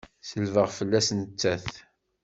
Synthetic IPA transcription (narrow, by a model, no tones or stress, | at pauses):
səlvəʁfəlːæsnt͡sːæθ